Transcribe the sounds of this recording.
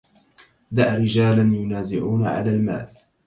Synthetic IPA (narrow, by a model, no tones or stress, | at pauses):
d̪aʔɾɪd͡ʒaːlanjʊnaːzɪʕuːnaʕa̰laːlma̰ːl